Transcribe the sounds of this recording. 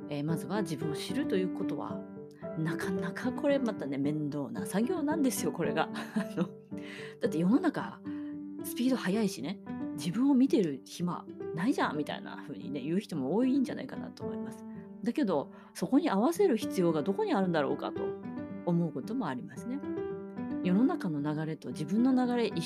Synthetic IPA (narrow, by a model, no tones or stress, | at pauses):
eːmazɨβad͡ʑibɯ̟̃ɰ̃o̞ɕiɾɯ̟t̪o̞jɯ̟ːko̞t̪o̞βa̰ | nakʰanakʰakʰo̞ɾe̞mat̪ːane̞mẽ̞nd̪o̞ːna̰saɡʲo̞ːnãnd̪e̞sɨjo̞ko̞ɾe̞̰ɡano̞ | d̪̥at̪ːe̞jo̞no̞naka̰ | sɨ̥pʲiːd̪o̞hajaiɕined͡ʑibɯ̟̃ɰ̃o̞mʲit̪e̞ɾɯ̟çima̰naiʑã̰mmʲit̪a̰ḭna̰ɸɯ̟ːɲ̟ḭne̞jɯ̟ːçi̥t̪o̞mo̞oːiɲ̟d͡ʑanʔa̰ikana̰t̪o̞ːmo̞imasɨ̥ | d̪ake̞d̪o̞ | so̞ko̞ɲ̟iaβ̞ase̞ɾɯ̟çi̥t͡sɨjo̞ːɡad̪o̞ko̞ɲ̟iaɾɯ̟̃nd̪aɾo̞̰ːka̰t̪o̞̰ːmo̞ɯ̟ko̞t̪o̞mo̞aɾʲimasɨne̞ | jo̞no̞nakano̞naɡaɾe̞t̪o̞d͡ʑibɯ̟̃nːo̞naɡaɾe̞ʔi